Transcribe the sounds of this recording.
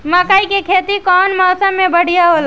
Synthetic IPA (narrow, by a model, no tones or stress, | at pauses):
məkaikekʰet̪ikɔnmɔːsəmːebəɽ̤ijaɦol